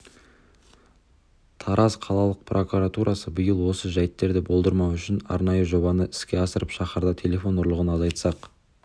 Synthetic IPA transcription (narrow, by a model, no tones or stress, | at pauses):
t̪ʰɑɾʔɑzqʰɑlˠɑlˠəq̚prʔo̞kuɾat̪uɾʔɑsəbɪjəlˠwo̞səʒæjɪt̪ːe̞ɾd̪ɪbo̞lˠd̪əɾmɑwʏʃɪnɑ̰ɾnɑjəʒo̞bɑnəɪ̥skʲe̞ɑsəɾəpʃɑχəɾd̪ɑt̪ʲʰe̞lʲe̞fo̞nʊɾlˠəʁənɑzɑjt̪sɑq